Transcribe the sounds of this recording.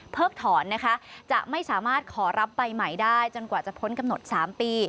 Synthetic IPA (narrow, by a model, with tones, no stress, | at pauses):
pʰɤː˥˩k̚t̪ʰɔː˩˦nːa˦˥kʰa˦˥ʔt͡ɕa˨˩ʔma˥˩jsaː˩˦maː˥˩t̪̚kʰɔː˩˦ɾa˦˥p̚ːa˧jma˨˩jdaː˥˩jt͡ɕo˧nkwaː˨˩t͡ɕa˨˩pʰo˦˥nka˧mno˨˩t̪̚saː˩˦mpiː˧